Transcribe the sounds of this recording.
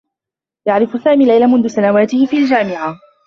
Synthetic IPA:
jaʕɾɪfʊsaːmiːlːajlamʊnðʊsanawaːt̪ɪhɪfiːald͡ʒaːmɪʕa

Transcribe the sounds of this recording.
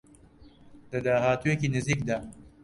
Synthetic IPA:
d̪̥ɐd̪aːɦaːt̪uːjekiːnɪziːk̚d̪aː

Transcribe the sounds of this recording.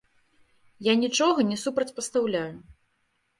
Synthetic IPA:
janʲit͡ʂɔɣɐnʲɛsupɾɐt͡sʲpɐst̪awlʲaju

